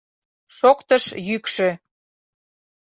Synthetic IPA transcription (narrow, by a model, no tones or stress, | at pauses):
ʃokt̪əʃjykʃĕ